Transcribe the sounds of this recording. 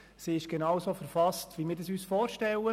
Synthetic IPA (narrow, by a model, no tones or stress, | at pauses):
siɪʃɡ̥enɑwsoːfɛɾfɑstʋimɪːɾdɑsyːsfɔːɾʃtɛlə